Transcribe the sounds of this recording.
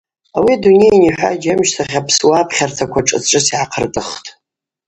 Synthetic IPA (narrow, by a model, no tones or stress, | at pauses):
awiadune̞jniħʷᶣa̰d͡ʒamʃtʰaχʲapʰswapʰχʲartʰakʷʰaʈ͡ʂʼɨ̰t͡sʈ͡ʂʼɨsiʕaqʰərtʼɨχtʼ